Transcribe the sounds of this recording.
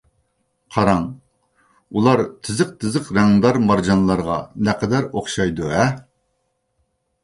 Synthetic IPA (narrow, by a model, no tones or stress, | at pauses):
qʰɑɾɑŋ | ulˠɑɾt̪ʰɪzəq̚t̪ʰɪzəqɾɛŋd̪ɑɾmɑɾd͡ʒɑnlˠɑɾʁɑ̰nɛqʰɛd̪æɾoχʃɑjd̪uɛ